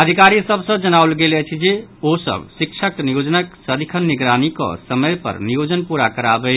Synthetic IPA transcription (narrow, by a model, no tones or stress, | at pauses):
əd̪ʱikaɾisəbsə̃d͡ʒənaʊlɡelɛt͡ʃʰid͡ʒeosə̰bsikt͡ʃʰək̚nijod͡ʒənəksəɾikʰənːiɡɾanikɔ̰səməjpə̰ɾnijod͡ʒənpuɾakəɾabɛ